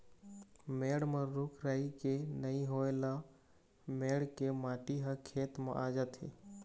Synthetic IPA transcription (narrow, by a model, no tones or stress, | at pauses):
meɽmə̃ɾukʰɾəikenəĩɦoela | meɽkemãʈiɦəkʰet̪mḛʔad͡ʒət̪ɦḭ